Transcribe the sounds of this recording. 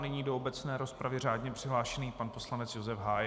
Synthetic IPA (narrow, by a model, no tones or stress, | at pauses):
nɛɲiːdoobɛt͡snɛːɾo̞spɾavɪr̝aːdɲɛpr̝̥ɪɦlaːʃɛniːpanpo̞slanɛt͡sjo̞zɛfɦaːj